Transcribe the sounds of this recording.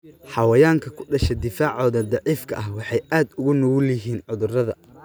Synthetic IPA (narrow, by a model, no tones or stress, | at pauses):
ħɑwɐjaːŋkʰɐkʰʊ̥ɖɐʃɛd̪ɪfaːʕɔːðɐd̪ɑʕiːfkʰɐ̰ʔɐɦwɑħɑjʔaːd̪ʊɣʊnɔwʊlɐɦiːnʕʊðʊrɐðɐ